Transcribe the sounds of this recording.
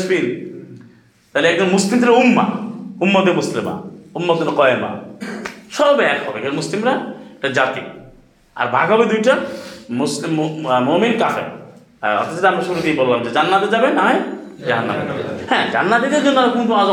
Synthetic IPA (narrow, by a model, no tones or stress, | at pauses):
sbiɾ | t̪aɦileɛk̚d͡ʑonmuslimt̪eɾumːa̰umːod̪emuslima̰umːoonkɔema̰ | ʃɔbɛkhɔbeɛkɾamuslimɾaekʈad͡ʑat̪ḭ | a̰ɾbʱaɡʱɦɔbed̪ujʈamuslimmominkafʰḛ | ɔ̰t̪ːad͡ʑeɾamɾaʃuɾuk̪ejbolːamd͡ʑed͡ʑanːat̪ed͡ʑabenaɦɔjd͡ʑaɦanːa̰ma̰t̪a̰hɛ̃d͡ʑa̰nːad̪id̪eɾd͡ʑonːoɾakunt̪oaz